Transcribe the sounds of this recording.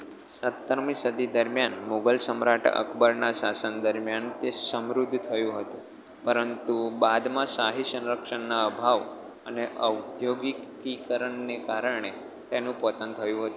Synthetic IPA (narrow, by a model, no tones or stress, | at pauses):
sət̪ːəɾmĩsəd̪ʱid̪əɾmjanmoɡəlsəmɾaʈə̰kʰbəɾnasasənd̪əɾmjant̪esəmɾud̪ʱːt̪ʰəjũɦət̪ũ | pəɾənt̪ubad̪mãsaɦisə̃nɾəkʃənːaəbʱaʋ | əneʔəwd̪joɡikikəɾəɳːekaɾəɳe | t̪enũpɔt̪ənt̪ʰəjũɦət̪ũ